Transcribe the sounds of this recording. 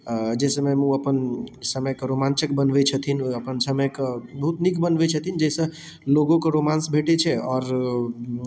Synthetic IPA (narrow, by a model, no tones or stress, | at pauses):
d͡ʒesəmẽmũəpənsəməkɾomãnt͡ʃəkbənʋet͡ʃʰət̪ʰinəpənsəməkbəɦut̪nikbənʋet͡ʃʰət̪ʰind͡ʒɛsə̃ | loɡõkoɾomãnsbʱeʈet͡ʃʰɛɔːɾ